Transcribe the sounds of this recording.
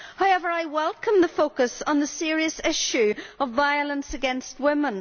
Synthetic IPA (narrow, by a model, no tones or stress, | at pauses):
haʊɛvə˞aɪwɛlˠkə̃mðəfoʊkəsn̩ðəsɪɹiəsɪʃʉəvaɪəlˠə̃nsɨɡɛ̃nst̚wɪ̃mə̃n